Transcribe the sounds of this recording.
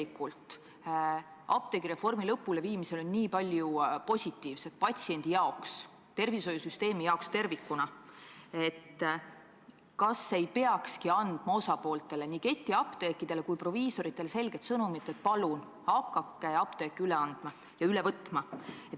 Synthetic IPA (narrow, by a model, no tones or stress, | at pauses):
ikːult̪ˑ | ɑ̰p̚t̪e̞ɡ̥iɾe̞fo̞rmilɤpːule̞viːmise̞lo̞nʲniːpɑlʲjupo̞sʲit̪ːiːvse̞t̪̚pɑt̪ʲsie̞nd̪̥ijɑo̞ks | t̪e̞rviso̞jusyst̪e̞ːmijɑokst̪e̞rvikːunɑ | e̞t̪ː | kɑsːe̞jpe̞ɑkskiɑnd̪̥mɑo̞sɑpo̞ːlt̪ːˑe̞le̞nike̞t̪ʲːˑiɑpt̪ekːid̪̥e̞le̞kujpro̞viːso̞ɾit̪ːˑe̞lese̞lɡ̥e̞t̪sɤnumit̪ːˑet̪̚pɑlun | hɑkːɑkːeɑpt̪eːkːiyleɑnd̪̥mɑ | jɑylevɤt̪ːˑmɑet̪